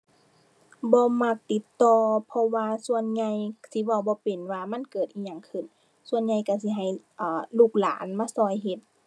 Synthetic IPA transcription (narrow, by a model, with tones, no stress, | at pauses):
bɔː˧˦ma˧k̚t̪i˧˦t̪ːɔː˧pʰɔ˧waː˧su˧ənɲa˧jsi˧˦ba˧˩wbɔː˧˦pe˨˩nwaː˧ma˧˥˨nkɤː˨˩t̪ʔiː˧˩ɲa˧˩˨ŋkʰɯ˧˩n | su˧ənɲa˧jka˧˩si˧˦ɦa˨˩jʔaː˨˩luː˧˩k̚laː˨˦nmaː˧˥˨sɔː˧˩jɦe˧t̪̚